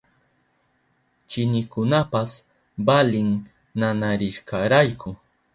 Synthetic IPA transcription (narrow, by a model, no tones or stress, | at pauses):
t͡ʃɪnɪkʊnapas | balɪŋ | nanaɾɪʃkɑɾajkʊ